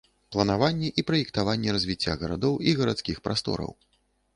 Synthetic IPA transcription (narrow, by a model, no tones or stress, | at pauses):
plˠɐnavanʲːɛʔipɾɐjɛkt̪avanʲːɛɾɐzʲvʲit͡sʲːa̰ɣɐɾa̰d̪ɔwiɣɐɾat̪skʲixpɾa̰st̪ɔ̰ɾɐ̰w